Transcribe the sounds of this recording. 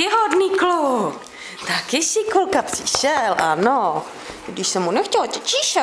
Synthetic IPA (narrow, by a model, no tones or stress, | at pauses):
ɪɦodniːkluk | t̪akɪsɪkulkapr̥ɪʃɛlʔa̰no | dɪʃsɛmːunɛxcɛlcɛt͡ʃɪʃa